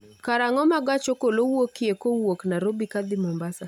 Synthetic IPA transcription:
kaɾaŋɔmaɡat͡ʃokolowokekowoknaɾobikad̪ɪmɔmbasa

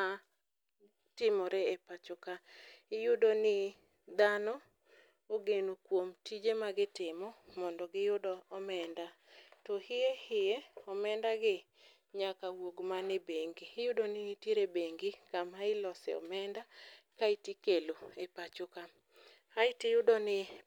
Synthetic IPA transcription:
a | tɪmɔɾɛepat͡ʃʊkaɪjʊdonɪ | d̪anɔ | oɡenokwomtid͡ʒemaɡɪtɪmɔmɔndɔɡɪjʊdɔɔmɛnda | tɔhɪjehɪjeɔmɛndaɡɪ | ɲakawoɡmanɛbeŋɡiːjʊdonɪteɾebeŋɡikamaɪlɔsɛ̰ɔ̰mɛnda | kaitikeloepat͡ʃʊka | aɪtɪjʊdɔnɪ

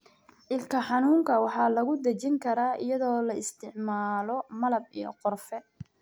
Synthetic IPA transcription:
ʔɪlkʰɐħɑnuːŋkʰɐwɑħɑːlɐɣʊd̪ɐt͡ʃɪŋkʰɐɾaːʔɪ̰jɐðɔːlɐɪst̪ʰɪʕmaːlɔmɐlɐb̚ḭjɔ̰qɔrfɛ

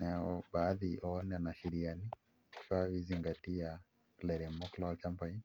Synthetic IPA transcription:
nɛɔbaːðiɔɔnɛnaʃiɾiani | ʃawiziŋɡatia | klɛɾɛmɔklɔt͡ʃampain

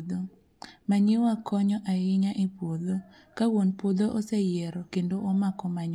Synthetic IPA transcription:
d̪o | maɲɪwakɔɲɔʔaɪɲaʔipwod̪o | kawonpod̪oʔosejɛɾɔkendoɔmakɔmaɲ

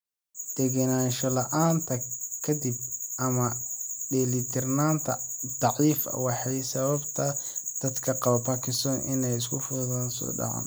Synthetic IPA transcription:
d̪̥ɛɡɐnaːnʃɔlɐʔaːnt̪ʰɐkʰɐd̪ɪb̚ʔɐmɐɖɛlit̪ʰɪrnaːnt̪ʰɐ̰d̪̥ɑʕiːfɐ̰wɑħɑjsɐβɐbt̪ʰɐd̪̥ɐd̪kʰɐqɑβɐpʰakʰɪst̪ɔːnʔɪnɛjɪs̬kʰʊfʊðɣansɔ̰ːɖɑ̰ʕɑ̰ːn

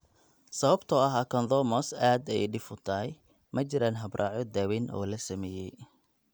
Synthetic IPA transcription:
sɐβɐbt̪ʰɔɐɦaːkʰɐnd̪ɔmɔsaːd̪ɛjɖɪfʊt̪ʰɐɦɛj | mʔɐt͡ʃɪɾaːnɦɐbrʔɑːʕɔd̪æːwinʔɔ̰ːlɐsɐmɛːjɛj

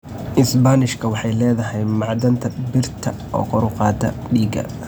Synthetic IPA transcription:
ʔɪsbanɪʃkʰɐwɑħɑjlɛːðɐɦɛjmɑʕd̪ɐnt̪ʰɐbɪrt̪ʰɐ | ɔ̰ːkʰɔɾʊqɑːd̪ʰɐ̰ɖiːɡɐ̰

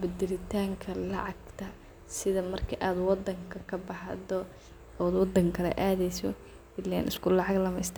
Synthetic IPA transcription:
bɛd̪ɛlɪt̪ʰaːŋkʰɐlɑʕɑɡt̪ʰɐ | sɪðɐmɐrkʰɐʔaːd̪wɑd̪ːɐŋkʰɐkʰɐbɑɦɐd̪ɔ | ɔːd̪wɑd̪ːɐŋkʰɐlɛ̰ʔaːðɛjsɔ | ɪlɛ̰nɪ̰skʰʊlɑʕɑɡlɐmɛjst̪ʰː

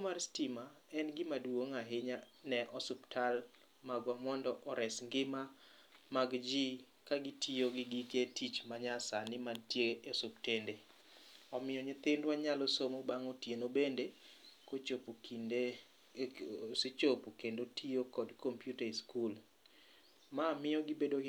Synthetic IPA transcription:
komarstimaɛnɡɪmadwoŋaɦɪɲanɛʔɔsʊptʰal | maɡwamɔndɔʔɔɾɛsŋɡɪma | maɡd͡ʒi | kaɡɪtʰioɡɪɡiketʰit͡ʃmaɲasanɪmantjeesuptende | ɔmɪjɔɲɪt̪ɪndwaɲalɔsomobaŋotjenobendekot͡ʃop | sɪt͡ʃopokendotʰijokɔdkʰompjutaiskul | mamɪjɔɡɪbedo

